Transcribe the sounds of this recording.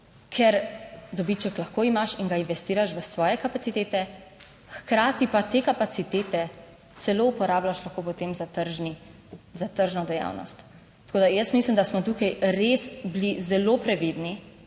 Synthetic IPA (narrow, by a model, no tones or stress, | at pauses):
kʰɛɾd̪ɔbit͡ʃɛklaxkoːimaʃiŋɡainʋɛst̪iːɾaʃʋəsʋɔːjɛkapat̪sit̪eːt̪ɛ | xkɾaːt̪ipat̪ekapat̪sit̪eːt̪ɛ | t̪sɛloupɔɾaːblaʃlaxkopɔt̪emzat̪əɾʒni | zat̪əɾʒnɔd̪ɛja̰ːwnɔ̰st̪ː | koːd̪ajəsmislimd̪asmɔt̪uːkajɾesblizɛlopɾɛʋid̪ni